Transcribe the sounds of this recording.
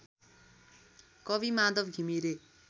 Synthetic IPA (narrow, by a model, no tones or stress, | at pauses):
kʌbimad̪ʌbɡʱimiɾe